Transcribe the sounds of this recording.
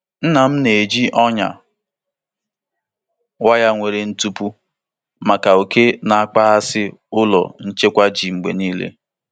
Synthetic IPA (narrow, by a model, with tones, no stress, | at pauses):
n̩˦na˨m̩˦ne˨d͡ʒi˦ʔɔ˦ɲa̰˨ | wa˦ja˦ŋʷe˨ɾe˨n̩˦tu˦pu˦ | ma˨ka˨o˨ke˦na˨a˦k͡pa˦a˦sɪ˦ʊ˦lɔ̰˨n̩˦t͡ʃe˦kʷa˦d͡ʒi˨ŋ͡m̩˨ɡ͡bḛ˨niː˦lḛ˦